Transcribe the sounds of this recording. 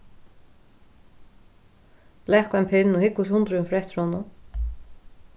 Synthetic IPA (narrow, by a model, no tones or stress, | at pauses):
b̥lɛkampʰɪnːɔhɪkːʊshʊnt̪ɾʏnfɾɛht̪ɪɾhɔnʊ